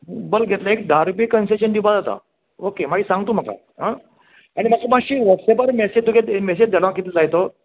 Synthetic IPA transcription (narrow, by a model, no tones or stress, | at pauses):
bəlɡʱet̪laek̚d̪ʱaɾbiːkənseɕənd̪ipad͡zat̪a̰ | okemaɡiːsãŋɡt̪uːm̤aka̰ | ɦã | aɽ̃imakamaɕiːʋəɾsepəɾmɛsed͡ʑd̪ukemɛsed͡ʑd̪elʋãkit̪id͡zajt̪o